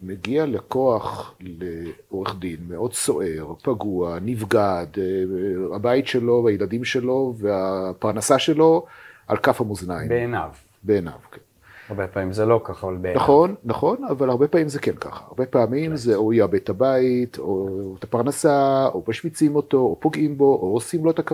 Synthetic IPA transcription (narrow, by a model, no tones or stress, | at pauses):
meɡialeko̞aχleo̞ʁeχd̪inmeʔo̞dso̞ʔe̞ʁpaɡuanivɡad̪ | habait̪ʃelo̞ajelad̪imʃe̞lo̞veapaʁnasaʃe̞lo̞alkafhamuznajḭbeenav | beːna̰vken | aʁbepamimzelokaχavalbenaχo̞nːaχo̞navalhaʁbe̞paːmimzekenka̰χaa̰ʁbepaːmimzeojabet̪habait̪ʰot̪apaʁnasaomaʃmit͡simo̞t̪o̞opo̞ɡʔimbo̞ʔoːsimloet̪aka